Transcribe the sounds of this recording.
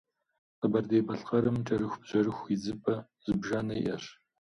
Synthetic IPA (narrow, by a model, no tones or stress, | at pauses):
qəbɐrdejbɐɬqɐɾɨmʈ͡ʂʼɐɾɨxʷbʑ̥ɐrɨxʷid͡zɨpʼɐ | z̥ɨbʒanɐjʔɐ̰ɕ